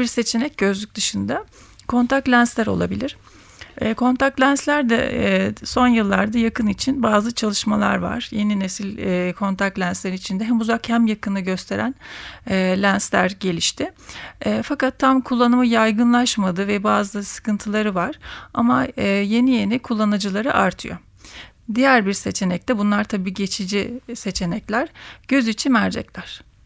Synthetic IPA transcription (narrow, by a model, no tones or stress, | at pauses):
biɾse̞t͡ʃʰenɛc̚ɟø̞zlʲyc̚d̪ɯʃɯnd̪a | kʰo̞nt̪ʰak̚t̪lʲænslʲæɾo̞̰lˠa̰bilʲiɾ̥ | ɛːkʰo̞nt̪ʰak̚t̪lʲænslʲæɾd̪ɛ̰so̞njɯlˠːaɾd̪ajakʰɯnit͡ʃʰinbaːzɯt͡ʃʰalˠɯʃmalˠa̰ɾva̰ɾ̥je̞ninesilʲːkʰo̞nt̪ʰak̚t̪lʲænslʲeɾit͡ʃʰind̪ɛɦɛmuzakhæmjakʰɯnɯɟø̞st̪ʰe̞ɾænɛːlʲænslʲæɾɟe̞lʲiʃt̪ʰɪɛːfakat̪ʰːamkʰulˠːanɯmɯjajɡɯnlˠaʃmad̪ɯvɛbaːzɯsɯ̥kɯnt̪ʰɯlˠaɾɯvaɾ̥amaːje̞nije̞nikʰulˠːanad͡ʒɯlˠaɾɯʔaɾt̪ʰɯjo̰ | d̪ijæɾbiɾse̞t͡ʃʰe̞nɛc̚t̪ʰɛbunlˠaɾt̪ʰabiːɟe̞t͡ʃʰid͡ʒise̞t͡ʃʰe̞nɛclʲæɾ̥ɟ̥ø̞zit͡ʃʰinmæɾd͡ʒɛ̰clʲæɾ̥